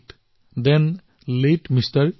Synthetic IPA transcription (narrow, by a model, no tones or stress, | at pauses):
ʈ | d̪ɛ̃n | leʈmistəɹ